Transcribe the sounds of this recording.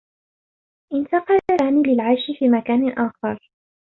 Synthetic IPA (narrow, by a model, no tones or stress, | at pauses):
ʔɪnt̪ɑqɑlaaːniːlɪlʕaʃɪfiːmakaːnɪʔaːxɑɾˤ